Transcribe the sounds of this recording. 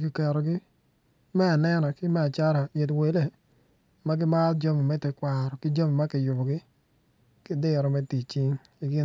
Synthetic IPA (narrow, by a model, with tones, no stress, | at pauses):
kɪ˨kɛ˨ɾɔ˨ɡɪ˦ | mɛ˦a˨nɛ˦nɔ˨kɪ˦mɛ˦a˨t͡ʃa˦ɾa˨ɪ˨t̬we˨˦le˦˨ | ma˦ɡɪ˦ma˦ld͡ʒo˦mi˨mɛ˦tɪ˦kʷwa˨ɾɔ˨kɪ˦d͡ʒo˦mi˨ma˦kɪ˨jʊ˨bɔ˨ɡɪ˦ | kɪ˦dɪ˦ɾɔ˨mɛ˦ti˨t͡ʃɪ˦ŋ | ɪ˨ɡɪ˦